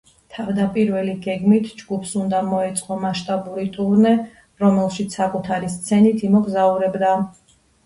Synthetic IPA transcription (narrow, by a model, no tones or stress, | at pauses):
t̪ʰavd̪apʼiɾvɛliɡɛɡmit̪ʰd͡ʒɡupʰsund̪amɔɛt̪sʼqʼɔmaʃt̪ʼabuɾit̪ʼuɾnɛ | ɾɔmɛlˠʃit̪sʰakʼut̪ʰaɾist̪sʰɛnit̪ʰimɔɡzauɾɛbd̪a